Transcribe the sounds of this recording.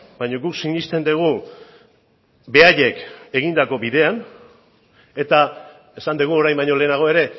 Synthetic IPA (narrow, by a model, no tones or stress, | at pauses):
bajɲo̞ɡuksiɲist̪e̞nd̪eɣ̞u | be̞aʎe̞ke̞ɣ̞ind̪ako̞biðe̞an | e̞t̪a | e̞sand̪eɣ̞uo̞ɾajmbaɲo̞le̞ːnaɣ̞o̞e̞ɾe̞